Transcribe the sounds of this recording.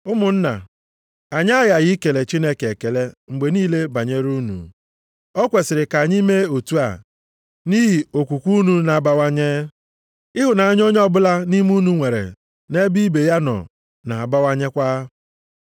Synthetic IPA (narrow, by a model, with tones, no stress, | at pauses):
ʊ˦mʊ˨n̩˦na̰˨ | a˨ɲ˦a˦ja˨ji˦ke˨le˨t͡ʃi˦ne˦ke˨ke˨le˦ŋ͡m̩˨ɡ͡be˨niː˦le˦ba˨ɲe˦ɾu˦nṵ˨ | ɔ˦kʷe˨sɪ˨ɾɪ˨ka˨ɲi˦me˦o˨tu˦a̰˨ | ni˦ɦi˨o˨kʷu˨kʷu˦nu˦na˨a˨ba˦wa˦ɲe˦ | ɪ˦ɦʊ˨na˨a˦ɲ˦o˦ɲ˦ɔ˦bʊ˦la˦ni˦m˦u˦nu˦ŋʷe˨ɾḛ˨ | ne˦bi˦be˨ja˦nɔ̰˨ | na˨a˨ba˦wa˦ɲe˦kʷa˦